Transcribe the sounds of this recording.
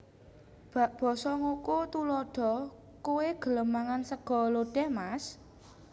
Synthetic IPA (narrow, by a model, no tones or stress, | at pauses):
b̥a̤ʔb̥ɔ̤sɔŋokot̪ulɔɖ̥ɔ̤ | koweɡ̥ə̤ləmaŋansəɡ̥ɔ̤loɖ̥ɛmas